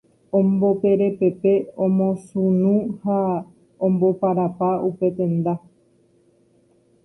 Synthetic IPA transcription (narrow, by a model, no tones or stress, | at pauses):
õmbo̞pe̞ɾe̞pe̞pe̞õmõ̞sunũha | õmbo̞paɾapaupe̞t̪ẽ̞nd̪a